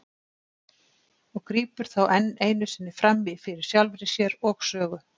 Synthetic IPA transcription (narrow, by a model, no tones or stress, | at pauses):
ɔɣkɾiːpʏɾ̥θawʔɛnːeːjnʏsɪnːɪfɾamvɪfɪɾɪɾ̥sjalvɾɪsjɛɾɔɣsœːɣʏ